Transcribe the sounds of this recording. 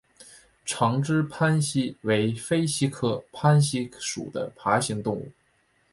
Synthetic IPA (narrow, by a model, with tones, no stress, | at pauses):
ʈ͡ʂʰɑ˧˥ŋʈ͡ʂɻ̩˥pʰa˥nɕi˥we˧˥ɪfe˥ɪɕi˥kʰɤ˥˩pʰa˥nɕi˥ʂṵ˨˩d̪ə̰˦pʰa˧˥ɕi˧˥ŋt̪ʊ˥˧ŋṵ˥˩